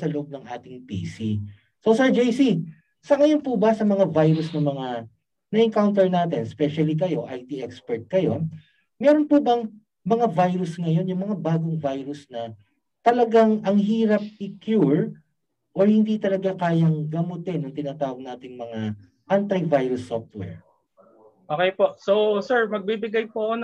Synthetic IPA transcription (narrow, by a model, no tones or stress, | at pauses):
sɐloʔob̚nɐŋʔaːt̪ɪŋpḭːsi | sosɛɹd͡ʒejsi | sɐŋɐjo̞npubɐsɐmɐŋavajɾʊsnɐmɐŋa | nɐʔɪŋkawnt̪ɛɹnaːt̪ɛnspɛʃɐlik̬ɐjo̞ʔɐjt̪iʔɛkspɛɹt̪̚kɐjo̞ | mɛːɾonpubɐŋ | mɐŋavajɾʊsŋɐjo̞njʊŋmɐŋabaːɡoŋvajɾʊsnɐ | t̪ɐlɐɡaŋɐŋɦiːɾɐp̚ɪkjuɹ | ʔoɹhɪnd̪it̪ɐlɐɡakaːjɐŋɡɐmʊt̪ɪnɐŋt̪ɪnaːt̪aːwɐɡ̚naːt̪ɪŋmɐŋa | ʔant̪ɐjvajɾʊsːoft̪̚wɛ̰ɹ | ʔoːkɛjpoʔsosɛɹmɐɡ̚bibɪɡajpoɐko